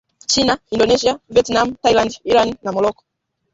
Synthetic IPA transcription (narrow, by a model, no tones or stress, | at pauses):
t͡ʃinaindɔnɛʃiaviɛtnam̩tailandiɾaninamɔlɔkɔ̥